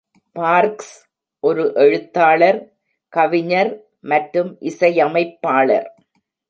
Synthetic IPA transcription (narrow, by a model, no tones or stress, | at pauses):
paːɾks | ʔɔɾɯʔɛɻɯt̪ːaːɭɐɾ | kɐʋɪɲɐɾ | mɐʈɾɯmʔɪsɐjɐmɐɪpːaːɭɐ̰ɾ